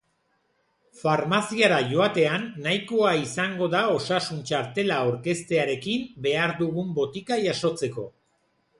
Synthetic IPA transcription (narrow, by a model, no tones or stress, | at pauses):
faɾmasiaɾaʝo̞at̪e̞anːajko̞aisaŋɡo̞ðao̞sasunt͡ʃaɾt̪e̞laoɾke̞st̪e̞aɾe̞kimbe̞aɾðuɣumbo̞t̪ikaʝaso̞t͡se̞ko̞